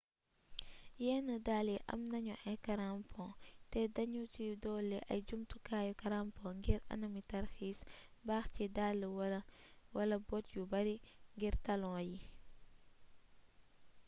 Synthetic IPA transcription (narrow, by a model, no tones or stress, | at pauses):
jɛːnədaːliʔɐ̰mnɐɲuʔɐkɐɾampʰɔ̃tɛdɐɲutujudɔːlːɛʔɐ̰jɟumtukaːjɔkɐɾampɔ̃ːŋɡiɾɐ̰nɐmitɐrxiːsbaːxcidalːə | wɐlɐbɔtjubɐɾiŋɡiɾtɐlɔ̃ːji